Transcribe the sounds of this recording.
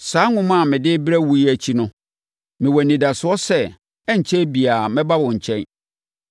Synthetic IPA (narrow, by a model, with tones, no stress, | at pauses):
saː˨˦ŋʊ̃˦m˦a˦˨mɪ̃˨dɪ˦bɾæ˦wu˦i˦æ˨t͡ɕʰi˦nʊ̃˦ | mɪ̃˨wɔ˨nĩ˨da˨sʊ˨˦ɔ˦sɛ˦ | ɛ˦ɲ˨t͡ɕʰɛ˦bi˨a˨mɪ̃˦ba˦wʊ̃˨ɲ̩˨t͡ɕʰɛ̃˦n